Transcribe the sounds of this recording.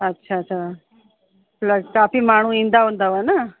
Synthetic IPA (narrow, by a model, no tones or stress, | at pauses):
ɐtːʃʰaɐt͡ʃʰa | plɐskaːpimaːɳũind̪aɔnd̪aʋana